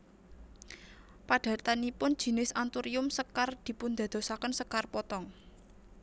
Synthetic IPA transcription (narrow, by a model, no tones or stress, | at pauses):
paɖ̥ä̤t̪anipʊnd̥ʒ̥i̤nɪsant̪uɾiʊmsəkard̪̥i̤pund̪a̤d̪̥o̤sakənsəkarpɔt̪ɔŋ